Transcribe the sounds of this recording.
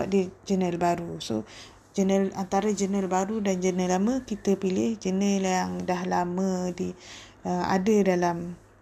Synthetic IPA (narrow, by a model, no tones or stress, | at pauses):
aʔ̚did͡ʒənəlbaɾuso | d͡ʒənəlant̪aɾad͡ʒənəlbaɾudand͡ʒənəlamə̃kit̪əpilɪhd͡ʒənəljaŋdaɦlamə̃diəa̰dədalam